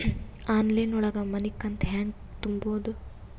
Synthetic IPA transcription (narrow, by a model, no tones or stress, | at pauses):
aːnlɐjnɔɭɐɡɐmɐnikːɐnt̪ɦaːŋɡ | t̪umboːd̪u